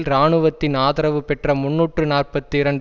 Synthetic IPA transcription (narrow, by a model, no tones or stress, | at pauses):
lɾaːɳɯʋɐt̪ːɪnaːðɐɾɐʋɯpɛʈrɐmʊnːuːʈrɯnaːrpɐt̪ːɯɪɾɐɳɖ